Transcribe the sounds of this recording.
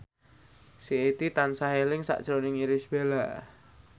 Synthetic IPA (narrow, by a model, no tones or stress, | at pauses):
siet̪it̪ansaɦelɪŋsa̰ʔd̥ʒ̥ɾonɪŋiɾɪsb̥elaʔ